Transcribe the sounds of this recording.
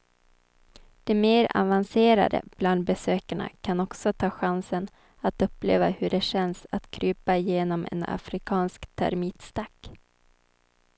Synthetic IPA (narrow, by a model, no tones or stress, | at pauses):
d̪̥ɛmeːɾa̰vanseːɾa̰d̪ə̰b̥land̪̚bɛsøːkaɳa̰kʰanɔksɔt̪ʰɑːɧansən | at̪ɵpːlḛːvahɵɖɛɕɛnsat̪kʰɾyːpaɪjeːnɔmɛ̰na̰fɾɪkʰɑːnskt̪ʰæ̰ɾmiːt̪st̪akː